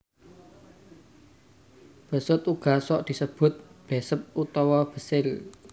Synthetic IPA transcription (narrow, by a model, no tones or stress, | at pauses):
b̥ə̤sʊt̪uɡ̥a̤sɔʔd̪̥i̤səb̥ʊt̪̚b̥e̤səp̚ut̪ɔwɔb̥ə̤sɪl